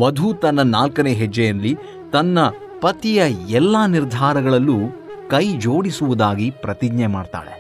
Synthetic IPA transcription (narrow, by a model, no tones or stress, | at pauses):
ʋɐd̪ʱut̪ɐnːɐnaːlkɐneːɦɛd͡ʒːejɐnli | t̪ɐnːɐ | pɐt̪ijɐɛlːaːniɾd̪ʱaːɾɐɡɐɭɐlːu | kɐjd͡ʒoːɽisuʋud̪aːɡipɾɐt̪iɡɲɐjmaːɖt̪a̰ːɭe